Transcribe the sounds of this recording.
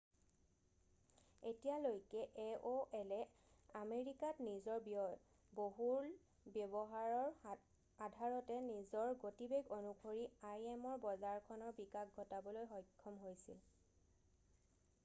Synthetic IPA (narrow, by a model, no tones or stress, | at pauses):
etijalojkɛʔeʔoʔɛlɛ | ameɹikatnizɔɹb | boɦuɹ | bjebɔɦaɹɔɹ | adʱaɹɔtɛnizɔɹɡotibeɡonukʰoɹiajemɔɹbɔzaɹkʰɔnɔɹbikaɡɡʱɔtabɔlojɦɔjkʰːɔmɦojsil